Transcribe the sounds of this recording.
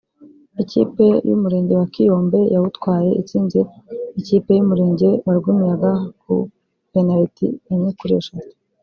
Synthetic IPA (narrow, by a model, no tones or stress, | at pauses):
icḭːpe̞jṵmuɾe̞ːɲɟe̞wakijo̞ːmbe̞jawutkwaːje̞̰ʔit͡siːnzeiciːpe̞jumuɾe̞ːɲɟe̞waɾɡumijaɡakṵ | penaitḭeɲikuɾeʃazi̥